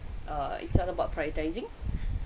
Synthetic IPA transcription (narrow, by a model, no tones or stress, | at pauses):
ʔaḭtsɔtəbaʊt̚pʰɹajətajzɪ̃ŋ